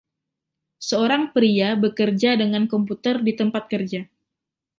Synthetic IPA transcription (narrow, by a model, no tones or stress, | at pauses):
səoɾaŋpɾiabəkərd͡ʒadəŋankɔmput̪ərdit̪əmpat̪̚kərd͡ʒa